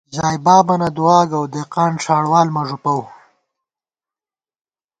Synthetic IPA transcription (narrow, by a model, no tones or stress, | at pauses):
zɑːjbɑːbanad̪uwɑːɡawd̪eqɑːnʂaːɽwɑːlmaʐupaw